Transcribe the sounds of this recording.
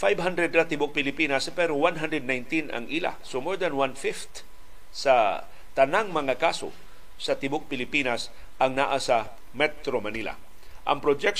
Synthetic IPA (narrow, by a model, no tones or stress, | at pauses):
fajbhand̪ɾɛd̪̚ɾat̪ɪbʊk̚pɪlɪpinaspɛɾowanɦandɾɛd̪̚najnt̪ina̰ŋʔila̰somoɹd̪anwanfɪft̪ | sa | t̪anaŋmɐŋakaso̰ | sat̪ɪbʊk̚pɪlɪpinas | ʔaŋnaʔasa | mɛt̪ɾomanila̰ | ʔa̰ŋpɾod͡ʒɛk̚